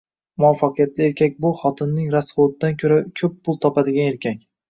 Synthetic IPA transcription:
mʊafːaqʰɨjat̪lɪe̞ɾkʲʰak̚ʲbʊχɒt̪ʰɪnːɪŋɾasχot̪̚d̪ankʲʰɵɾakʲʰɵpːʊlˠt̪ʰɒpad̪ɪɡʲane̞ɾkʲʰakʲ

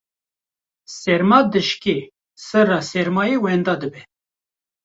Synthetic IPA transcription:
sɛɾmɑːd̪ɨʃke | sɨrɑːsɛɾmɑːjewɛnd̪ɑːd̪ɨbɛ

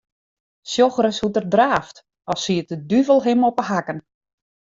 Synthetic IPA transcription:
sjoxəɾəshutərdraːft | ɔsiətədyvəlˠɦɪmɔpəɦakən

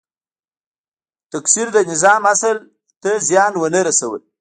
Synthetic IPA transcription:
t̪aksiɾd̪ənɪzɑmasəl | t̪əzjɑnwənəɾasawə̰l

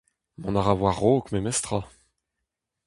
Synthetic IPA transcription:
mɔ̃naʁavwaʁoːkmɛmɛst̪χa

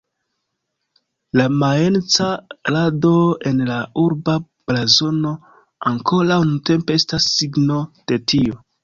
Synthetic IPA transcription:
lamaent͡saɾado̞e̞nlauɾba | b̥lazo̞no̞ | aŋko̞lawnunte̞mpe̞estasːiɡno̞d̥e̞tio

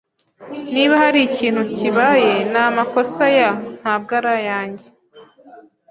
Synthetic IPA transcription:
niβahaɾiciːn̥huciβaje̞namako̞sajan̥hab̚ɡaɾajaːɲɟe

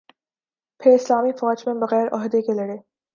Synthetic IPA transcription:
pʰɪɾɪslaːmifɔːd͡ʒmẽbɐɣɛːɾɔ̰ːɦd̪ekelɐɽeː

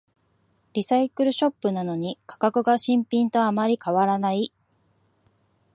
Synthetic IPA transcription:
ɾʲisaikɯ̟ɾɯ̟ɕo̞pːɯ̟nano̞ɲ̟ikʰḁkakɯ̟ɡaɕĩmpʲĩnt̪o̞amaɾʲikaβaɾanai

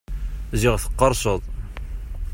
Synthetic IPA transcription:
ziʁθə̥qːɑɾˤsəðˤ

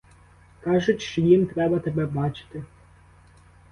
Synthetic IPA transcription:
kɑʒʊtʲʃt͡ʃɔjimt̪ɾɛbɐt̪ebɛbɑt͡ʃɪ̥t̪ɪ

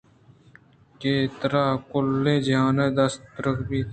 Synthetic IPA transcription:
keːt̪ɾaːkʊlːẽːd͡ʒãːnẽːd̪əst̪ɾəkbiː

